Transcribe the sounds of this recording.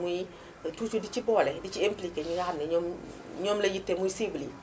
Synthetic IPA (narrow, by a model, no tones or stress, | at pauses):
muji | tut͡ʃudit͡ʃibɔːlɛdit͡ʃiemplikeɲiŋanɛɲɔm | ɲɔːmlejitːemuisibli